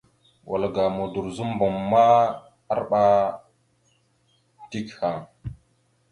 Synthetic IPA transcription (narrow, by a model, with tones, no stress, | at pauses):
wʔa̰˨lɡa˨mo˨du˨ɾzu˦m˦bo˨mːa˦ | a˦ɾɓa˦ | ti˦kha˨ŋ